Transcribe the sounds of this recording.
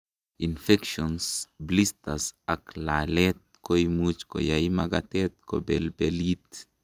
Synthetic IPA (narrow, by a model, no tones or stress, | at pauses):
infekʃonsblist̪asaklalet̪̚kojmut͡ʃko̰jaimaɡat̪et̪̚ko̰belbelit̪̚